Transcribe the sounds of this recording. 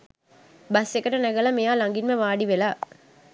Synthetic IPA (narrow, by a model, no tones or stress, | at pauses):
bɐsɛkːɐɾɐnɐɣɐlɐmejaːlɐŋɡɪnmɐʋaːɽiʋɛlaː